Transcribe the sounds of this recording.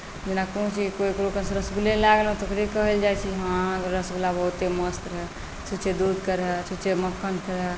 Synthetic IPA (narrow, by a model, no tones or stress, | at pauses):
d͡ʒenakunõt͡ʃʰikoikɾokənsɾəsbulelaɡəlõt̪ːkɾikəɦəld͡ʒajt͡ʃʰiɦãɾəsbulabəɦut̪eməst̪ɾəɦe | t͡ʃʰut͡ʃʰed̪ud̪kəɾɦɛt͡ʃʰut͡ʃʰeməkʰːənkʰəɾɦɛ